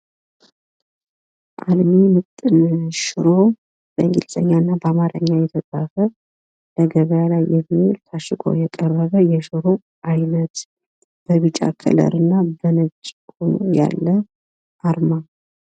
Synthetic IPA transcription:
ʔalmimɨt̪ʼːɨnʃɪɾo̞ | b̥əɨŋɡḭlsʼə̰ɲːaɨnːabəamaɾə̰ɲːajɛt̪ʰət̪ʼafə | ləɡəβəjalajːɛmːielt̪ʰaʃɨɡʰo̰jɛkʼərːəβəjɛʃɨɾo̞ | ʔajnət̪ | b̥əβɨt͡ʃʼːa̰kʰə̰lə̰ɾɨnːabənət͡ʃʼːonja̰lːə | ʔaɾma

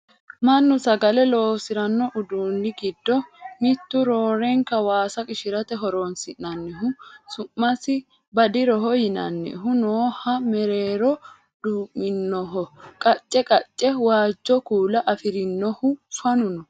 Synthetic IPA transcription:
mɐnːʊsɐɡɐlɛlo̞ːsɪɾɐnːɔʔʊd̪uːnːɪɡɪd̪ːɔmɪt̪ːʊɾoːɾɛŋkɐwaːsɐkʼɪʃɪɾɐt̪ɛɦɔɾoːnsɪnːɐnːɛɦʊsʊmːɐsɪ | bɐd̪ɪɾɔɦɔjɪnɐ̰nːɛ̰ɦʊnoːhɐmɛɾeːɾɔ | d̪̥uːmːɪnːɔɦɔkʼɐt͡ʃʼːɛkʼɐt͡ʃʼːɛwaːd͡ʒːɔkuːlɐʔɐfɪɾɪnːɔhʊfɐnʊnɔ

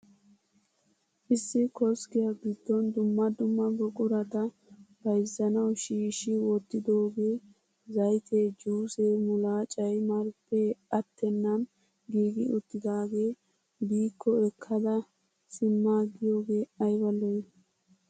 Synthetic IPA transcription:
ʔɪsːɪkɔskɪjɐbɪd̪ːɔnd̪ʊmːɐd̪ʊmːɐɡɔkʼʊɾɐt̪ɐ | b̥ɐjzːɐnɐwʃiːʃɪwɔt̪ːɪd̪o̞ːɡe̞ː | zɐjt̪ʰeːd͡ʒuːseːmʊlaːt͡ʃʼɐjmɐɾpːeɐt̪ʰːɛnːɐm | ɡiːɡɪʊt̪ːɪd̪aːɡe̞ː | biːkʰːɔɛkʰːɐd̪ɐ | sɪmːaːɡɪjoːɡe̞ːɐjbɐlːɔj

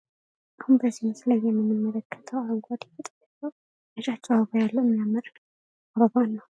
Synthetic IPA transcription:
ʔahunbəzːinsləjːɛmːɨnːɨmːələkʰːə̥t̪ʰəwaŋɡʷad̪fət̪ʼjat͡ʃːəw | əʃat͡ʃːɛwaβəjalːəmijamːɨɾ | ɾoβanːəw

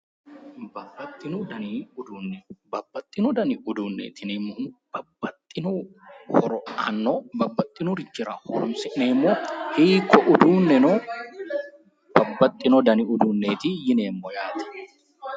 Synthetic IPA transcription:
bɐbːɐt̪ʼːɪnud̪ɐniʊd̪uːnbɐbːɐt̪ʼːɪnʊd̪ɐniʔʊd̪uːnːḛːt̪ɪnɪmːob̥ɐbːɐt̪ʼːɪnuhɔɾɔa̰nːobɐbːɐt̪ʼːɪnʊɾɪd͡ʒɪɾɐhɔ̰ɾɔmsɪʔnɛmːohiːkʰːɔʔʊd̪uːnːɛno | bɐbːɐt̪ʼːɪnɔd̪ɐniʊd̪uːnːeːt̪ijɪneːmːɔjaːt̪ɪ̥

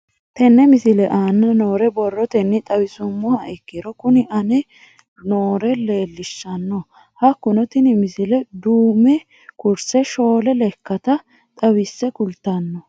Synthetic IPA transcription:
t̪ɛnːɛmɪsɪlɛʔaːnːɐnoːɾɛbɔrːɔt̪ɛnːɪt̪ʼɐwɪsʊmːɔhɐɛkːɪɾɔkʊnɪʔɐnɛ | noːɾɛle̞ːlːɪʃːɐnːɔ | hɐkːʊnɔt̪ɪnɪmɪsɪlɛd̪uːmɛ | kʊɾsɛʃo̞ːlɛlɛkːɐt̪ɐ | t̪ʼɐwɪsːɛkʊlt̪ːɐnːɔ

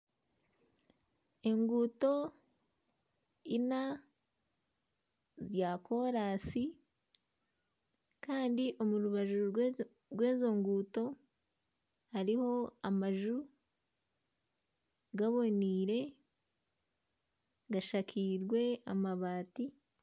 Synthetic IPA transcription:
e̞ŋɡuto̞ | ina | zjako̞ɾaːsi | kaːndiʔo̞muɾuβaʒu | ɾɡwe̞ːzo̞ŋɡuːto̞ | haɾiho̞amaʒu | ɡaβo̞niːɾe̞ | ɡaʃakʰiɾɡwe̞amaβaːti

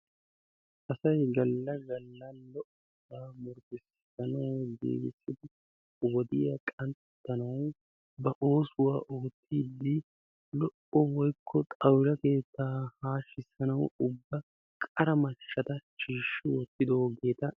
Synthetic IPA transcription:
ʔɐsɐjɡɐlːɐɡɐlːɐnlɔʔɔbaːmʊɾkɪs | ɐnɐwdḛːɡɪsʼɪd̪ɪ | wɔd̪ɪjɐkʼɐnt̪ | t̪ːɐnɐw | bɐʔo̞ːsʊwaːʔoːt̪ʰːiːd̪ːɪ | lɔʔɔwɔjkʰːɔt̪ʼɐwɾɐke̞ːt̪ːaːhaːʃːɪsɐnɐwʊbːɐ | kʼɐɾɐmɐʃːɐt̪ɐʃiːʃːɪwɔt̪ːɪd̪o̞ːɡe̞ːt̪ɐ

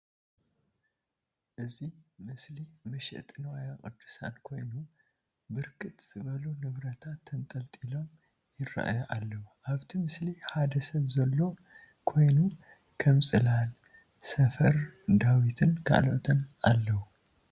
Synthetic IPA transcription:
ʔɨzimɨslimɐʃɛ̰ʔt̪ʼɨnwajakʼɨd̪ːu̥sa̰nkʰo̞jnu | bɨɾkʼɨt̪ʼz̥ɨβɐlunɨβɾɐt̪ʰat̪ʰːɐnt̪ʼɐlt̪ʼilo̞m | jɪra̰ʔa̰jaʔalːɐwuʔaβt̪ʰimɨsliħad̪ɐsɐβzɐlːo̞ | kʰo̞jnu | kʰɐmsʼɨlal | sɐfɐɾd̪awit̪ʰɨnkʰa̰ʔloʔt̪ʰɨnʔalːɐwu

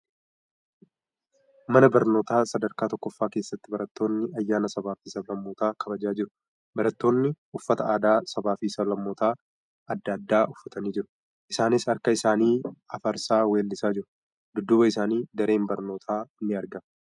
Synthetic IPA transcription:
mɐnɐbɐɾno̞ːt̪aːsɐd̪ɐɾkaːt̪ɔkːɔfːaːke̞ːsːɐt̪ːɪbɐɾɐt̪ːo̞ːnːɪɐjːaːnɐsɐbaːfiːsɐblɐmːoːt̪aːkʰɐbɐd͡ʒaːd͡ʒɪɾʊ̥ | bɐɾɐt̪ːo̞ːnːɪ | ʊfːɐt̪ɐaːd̪aːsɐbaːfiːsɐblɐmːoːt̪aː | ɐd̪ːɐːd̪ːaːʔʊfːɐt̪ɐniːd͡ʒɪɾʊ̥ | ʔɪsaːnɪsɐɾkɐɪsaːniːɐfɐɾsaːweːlːɪsaːd͡ʒɪɾʊ | d̪ʊd̪ːʊbɐɪsaːniːd̪ɐɾe̞ːmbɐɾno̞ːt̪ʰaːnːɪɐɾɡɐm

